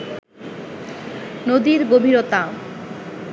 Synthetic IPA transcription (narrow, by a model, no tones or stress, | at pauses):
nod̪iɾɡobʱiɾot̪a